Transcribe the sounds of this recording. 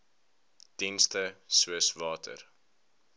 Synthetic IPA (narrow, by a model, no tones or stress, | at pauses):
d̥instəsuəsvɑːtʰə̰r